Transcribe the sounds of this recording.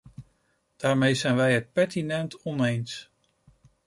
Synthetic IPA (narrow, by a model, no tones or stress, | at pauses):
d̥aːɹmejzɛjnʋɛjət̚pɛɹtinɛntɔnejns